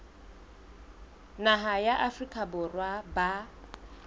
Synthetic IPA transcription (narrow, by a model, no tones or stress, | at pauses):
naɦajaʔafrikʼabʊrwaba